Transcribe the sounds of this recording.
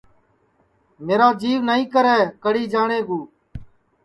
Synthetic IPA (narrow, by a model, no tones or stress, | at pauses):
meːɾaːd͡ʒiːʋnəĩːkəɾɛːkəɽiːd͡ʒaːɳeːɡuː